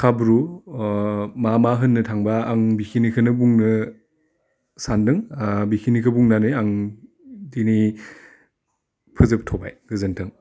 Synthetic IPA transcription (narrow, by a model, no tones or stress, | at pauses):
kʰabɾu | mamaɦɯnːɯtʰaŋbaːŋbikʰinikʰɯnɯbuŋnɯ | sandɯŋbikʰinikʰɯbuŋnanɯjaŋ | dini | pʰɯzɯp̚tʰɔba̰jɡ̥ɯzɯntʰɯŋ